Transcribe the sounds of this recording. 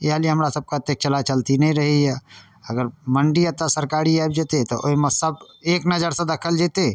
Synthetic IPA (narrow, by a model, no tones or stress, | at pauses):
jeɦaliɦəmɾasəb̚kat̪ek̚t͡ʃəlat͡ʃəlt̪inɦĩɾəɦiɛ | əɡəɾməɳɖiət̪asəɾkaːɾiajb̚d͡ʒet̪et̪ɔʔoɦimesəb | eːknəd͡ʒəɾsẽd̪ɐkʰəld͡ʒeːt̪e